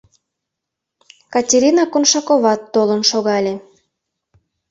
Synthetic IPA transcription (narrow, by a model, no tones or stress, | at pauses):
kɑtʲeɾʲinɑkonʃɑkoβɑt̪ːolənʃoɣɑlʲe